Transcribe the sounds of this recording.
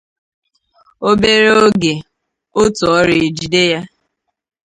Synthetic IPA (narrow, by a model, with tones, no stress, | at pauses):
o˦be˦ɾe˦o˦ɡe˨ | o˦tɔ˨ɔ˦ɾe˨d͡ʒi˨de˦ja˦